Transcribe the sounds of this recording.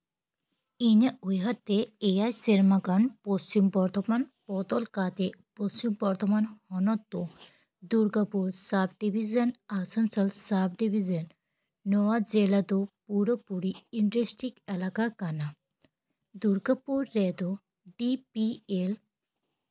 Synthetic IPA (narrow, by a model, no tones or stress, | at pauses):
iɲəujɦat̪eejajseɾmaɡaɳpɔst͡ɕumbɔɾt̪ɔmanpɔt̪ɔlkat̪epɔst͡ɕumbɔɾt̪ʰɔmanhɔnɔt̪ːɔ | d̪uɾɡapuɾsap̚ʰɖibʱizənasɔnsəlsap̚ɖibʱizənː | ɔwad͡zelad̪ɔpuɾɔpuɾiiɳʈɾesʈikɛlakakana | d̪uɾɡapuɾːɛd̪ɔ | ɖipiel